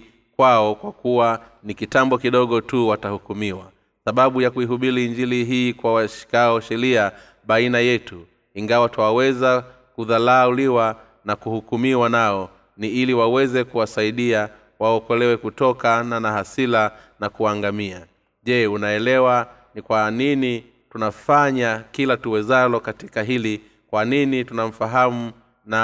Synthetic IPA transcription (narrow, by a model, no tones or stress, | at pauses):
kwaɔkwakuwa | nikitambɔkiɗɔɠɔtuwatahukumiwa | saɓaɓujakuiɦuɓiɾiɲd͡ʒiliɦiːkwawaʃi̥kaɔʃɛɾia | ɓainajɛtu | iŋɡawatawawɛza | kuðalaːuliwa | nakuhukumiwanaɔ | niiliwawɛzɛkuwasaiɗia | waɔkɔlɛwɛkutɔkananaɦasilanakuaŋɡamia | ʄɛunaɛlɛwa | nikwanini | tunafaɲakilatuwɛzalɔkati̥kaɦili | kwaninitunam̩faɦamu | na